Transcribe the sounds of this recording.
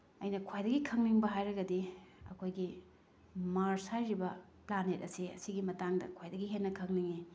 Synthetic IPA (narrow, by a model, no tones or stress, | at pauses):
ɐjnɐkʰojdɐɡikʰɐŋniŋbɐɦajɾɐɡɐdiɐ̰kʰojɡi | maɾsajɾibɐ | planet̚ɐsiɐsiɡimɐtaŋdɐ̰kʰojdɐɡiɦenːɐkʰɐŋniŋi